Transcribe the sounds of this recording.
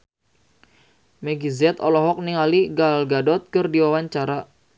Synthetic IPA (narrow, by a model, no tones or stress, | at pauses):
mɛɡizɛt̪ɔlɔɦɔk̚niŋaliɡalɡadɔt̪̚kərdiwawaɲt͡ʃaɾa